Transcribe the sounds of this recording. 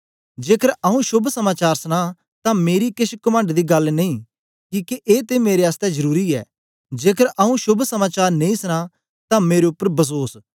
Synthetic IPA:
d͡ʒeːkəɾaũʃʊbʱsɐmaːt͡ʃaːɾsəɽ̃ãː | t̪ãmeːɾikɪʃkʊmə̃ɳɖd̪iːɡɐlneĩː | kiːkeʔeːt̪emeːɾeaːst̪ɛzɐɾuːɾiɛ̰ː | d͡ʒeːkəɾʔaũʃʊbʱsɐmaːt͡ʃaːɾnẽĩsəñãː | t̪ãmeːɾeʊpːəɾbɐs̬oːs

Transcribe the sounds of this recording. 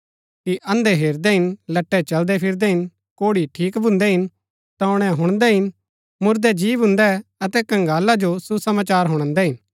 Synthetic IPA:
kiʔɐ̃nd̪eɦeːɾd̪ɛɦɪnlɐʈːɛt͡ʃɐld̪ɛpʰɪɾd̪ɛɦɪn | koːɽiʈʰiːkbʱʊ̃nd̪ɛɦɪn | t̪aʊɽ̃ɛ̃ɦʊɽ̃d̪ɛɦɪn | mʊɾd̪ɛd͡ʒiːʋɦʊ̃nd̪ɛɐt̪ɛkɐ̃ŋɡaːlad͡ʒosusɐmaːt͡ʃaːɾɦʊɽ̃ə̃nd̪ɛɦɪn

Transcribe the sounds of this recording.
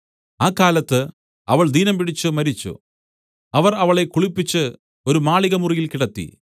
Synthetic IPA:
aːkːaːlɐt̪ːɨ | ɐʋɐɭd̪ʱiːnɐmpiɽit͡ɕːɨmɐɾit͡ɕːṵ | ɐʋɐrɐʋɐɭe̞kuɭipːit͡ɕːɨ | o̞ɾumaːɭiɣɐmurijilkiɽɐt̪ːḭ

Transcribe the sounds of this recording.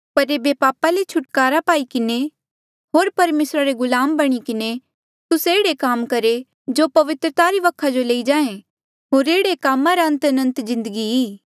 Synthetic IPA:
pɐɾeːbepaːpalet͡ʃʰʊʈkaːɾapaːikɪne | ɦoːɾpɐɾmeːsɾaɾeɡʊlaːmbɐɽ̃ikɪne | t̪ʊseːɽekaːmkɐɾe | d͡ʒoːpɐʋɪt̪ɾət̪aːɾiʋɐkʰːad͡ʒoleːid͡ʒãːẽ | ɦoːɾeːɽekaːmãɾaə̃nt̪ɐnə̃nt̪zɪ̃nd̪əɡiiː

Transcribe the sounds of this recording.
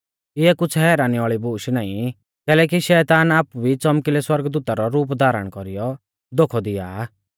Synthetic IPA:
ɪɛkʊt͡sʰɦɛːɾaːniaːɭibuːʃnaːĩ | kɛːlɛːk̬iʃɛːt̪aːnaːpubʱit͡sɔmkilɛswɐɾɡd̪uːt̪aɾɔɾuːp̬d̪ʱaːɾə̰ɽ̃kɔɾijɔ | d̪oːkʰɔd̪ɪja̰ː

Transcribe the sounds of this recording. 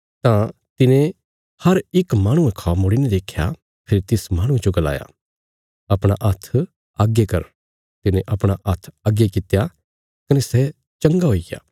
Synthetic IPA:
t̪ã | t̪ɪnẽ | hɐɾɪkmaːɽ̃ũẽkʰaːmoɽinẽd̪eːkʰːja̰ | pʰɪɾit̪ɪsmãːɽ̃ũẽd͡ʒoɡɐla̰ːja̰ː | ɐpɽ̃aʔɐt̪ʰ | aːɡekɐɾ | t̪ɪnẽʔɐpɽ̃aʔɐt̪ʰaːɡekɪt̪ja | kɐnɛsɛ | t͡ʃɐ̃ŋɡaɦoːija̰ː

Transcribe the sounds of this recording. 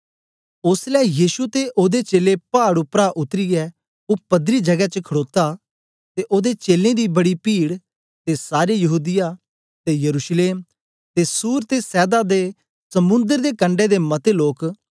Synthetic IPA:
ʊslɛːjiːʃut̪eʔoːd̪et͡ʃeːlepaːɽʊpɾaʔʊt̪ɾiɛː | oːpəd̪ɾiːd͡ʒəɡɛt͡ʃəkʰəɽoːt̪aː | t̪eːʔoːd̪et͡ʃeːlẽd̪iːbəɽiːpiːɽ | t̪esaːɾejəɦuːd̪ɪja | t̪eːjəɾuːʃleːm | t̪eːsuːɾt̪eːsɛːd̪aːd̪eː | səmʊ̃nd̪əɾd̪eːkə̃ɳɖed̪eːmət̪eloːk

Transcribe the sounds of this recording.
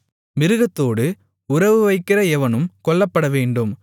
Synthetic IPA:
mɪɾɯɣɐt̪ːoːɽɯ | ʊɾɐʋɯʋɐɪkːɪrɐɛʋɐnɯmkɔɭːɐpːɐɽɐʋeːɳɖɯm

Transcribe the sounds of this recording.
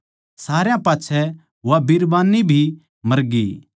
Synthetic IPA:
saːɾjãpaːtːt͡ʃʰɛ | ʋabiɾbaːnibʱi | mɐɾɡḭ

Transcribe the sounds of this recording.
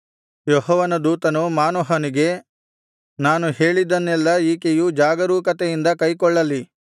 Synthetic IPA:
jɔɦɔʋɐnɐd̪uːt̪ɐnumaːnɔɦɐniɡe̞ | naːnuheːɭid̪ɐnːɛlːɐiːkejud͡ʒaːɡɐɾuːkɐt̪ɛjind̪ɐkɐjkɔɭːɐlːi

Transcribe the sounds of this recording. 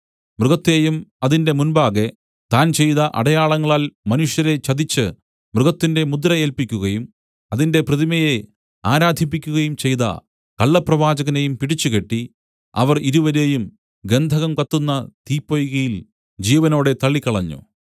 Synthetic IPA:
mruɣɐt̪ːe̞ːjumɐðinde̞munbaːɣe̞ | t̪aːnt͡ɕe̞jðɐʔɐ̰ɽɐjaːɭɐŋːɐɭaːlmɐnuʂjɐɾe̞t͡ɕɐðit͡ɕːɨ | mruɣɐt̪ːinde̞mud̪ɾɐje̞ːlpikʲːuɣɐjum | ɐðinde̞prɐðimɐje | aːɾaːd̪ʱip̬ːikʲːuɣɐjumt͡ɕe̞jðɐ̰ | kɐɭːɐprɐʋaːd͡ʑɐɣɐnejumpiɽit͡ɕːuke̞ʈːi | ɐ̰ʋɐriɾuʋɐɾe̞ːjum | ɡe̞nd̪ʱɐɣɐmkɐt̪ːunːɐt̪iːpːojuɣɐjil | d͡ʑiːʋɐno̞ːɽe̞t̪ɐɭːikːɐɭɐɲːṵ

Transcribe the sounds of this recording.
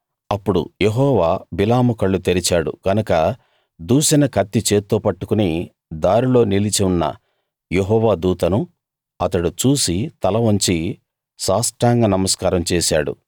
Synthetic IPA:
ɐpːuɽṵjeɦɔːʋaːbilaːmukɐɭːut̪eɾit͡ʃaːɽṵɡɐnɐkɐ | d̪uːʃɐnɐkʰɐt̪ːit͡ʃeːt̪ːoːpɐʈːu̥kuni | d̪aːɾilo̞ːnilit͡ʃiunːɐ̰ | jeɦɔːʋaːd̪uːt̪ɐnu | ɐt̪ɐɽut͡ʃuːsit̪ɐlɐʋɐɲt͡ʃi | saːsʈɾaːŋɡɐnɐmɐskaːɾɐmt͡ʃɛːʃa̰ːɽṵ

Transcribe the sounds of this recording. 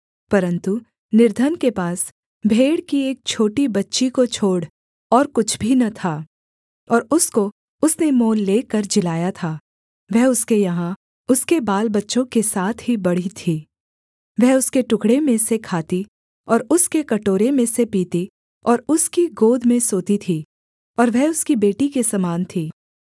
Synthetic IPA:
pɐɾə̃nt̪u | nɪɾd̪ʱənkepaːs | bʱeːɽkieːk̚t͡ʃʰoːʈibɐtːʃikot͡ʃʰoːɽ | ɔːɾkʊt͡ʃʰbʱinɐt̪ʰaː | ɔːɾʊsko | ʊsnemoːlːeːkɐɾd͡ʒɪlaːjat̪ʰaː | ʋɛɦʊskejɐɦã | ʊskebaːlbɐtːʃõkesaːt̪ʰɦibɐɽ̤it̪ʰiː | ʋɛɦʊskeʈʊkɽemẽsekʰaːt̪i | ɔːɾʊskekɐʈoːɾemẽsepiːt̪i | ɔːɾʊskiɡoːd̪ʱmẽsoːt̪it̪ʰiː | ɔːɾʋɛɦʊskibeːʈikesɐmaːnt̪ʰiː

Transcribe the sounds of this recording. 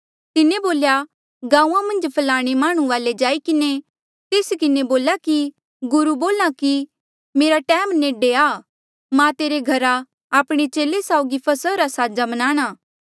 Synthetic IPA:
t̪ɪneboːlja | ɡãːũːãmɐ̃nd͡ʒpʰɐlaːɽ̃emaːɽ̃ũʋaːled͡ʒaːikɪne | t̪eːskɪneboːlaki | ɡʊɾuboːlãki | meːɾaʈɛːmneːɖeaː | mãt̪eːɾeɡʱɐɾa | aːpɽ̃et͡ʃeːlesaːʊɡipʰɐsəɾasaːd͡ʒamɐnãːɽ̃aː

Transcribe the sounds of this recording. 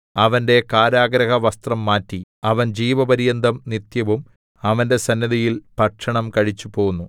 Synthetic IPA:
ɐʋɐnde̞kaːɾaːɡɾɐɣɐʋɐst̪rɐmːaːtːiɐʋɐnd͡ʑiːʋɐbɐɾijɐnd̪ʱɐmnit̪jɐʋum | ɐʋɐnde̞sɐnjɐðijilpɐʈʂɐɳɐmkɐɻit͡ɕːupo̞ːunːu

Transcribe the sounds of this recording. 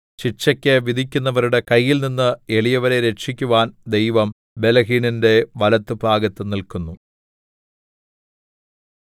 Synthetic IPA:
ɕit͡ɕːɐkʲːɨʋid̪ʱikʲːunːɐʋɐɾuɽe̞kɐjːilninːɨeɭijɐʋɐɾe̞ɾe̞ʂikʲːuʋaːnd̪e̞jʋɐm | be̞lɐɦiːninde̞ʋɐlɐt̪ːɨbʱaːɡɐt̪ːɨnilkunːu

